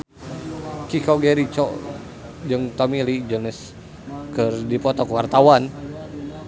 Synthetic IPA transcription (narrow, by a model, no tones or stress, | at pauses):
kikoɡeɾit͡ʃɔ | d͡ʒəŋt̪ɔmilid͡ʒənɪs | kərdipɔt̪ɔkəwart̪awan